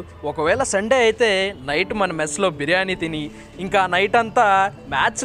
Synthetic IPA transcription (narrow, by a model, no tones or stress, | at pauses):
ɔkɐʋɛːɭɐsɐɳɖeːɐjit̪e̞ːnɐjʈmɐnɐmeslo̞ːbʱiɾjaːnit̪iniː | ŋkaːnɐjʈɐnt̪aːmaːt͡ʃ